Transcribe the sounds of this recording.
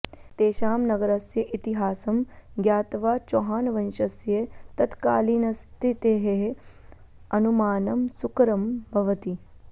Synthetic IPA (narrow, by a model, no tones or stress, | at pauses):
t̪eːʃaːmnɐɡɐɾɐsjɐʔit̪iɦaːsɐmɡjaːt̪ʋaːt͡ʃoːɦaːnɐʋɐnʃɐsjɐt̪ɐt̪kaːliːnɐst̪ʰit̪eːɦeɦ | ɐnumaːnɐmsukɾɐmbʱɐʋɐt̪i